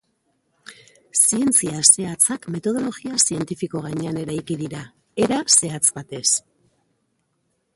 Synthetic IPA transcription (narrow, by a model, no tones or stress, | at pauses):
sie̞nt͡siase̞at͡sakme̞t̪o̞ð̞o̞lo̞ɣiasie̞nt̪ifiko̞ɣ̞aɲe̞ane̞ɾajkiðiɾa | e̞ɾase̞at͡sbat̪e̞s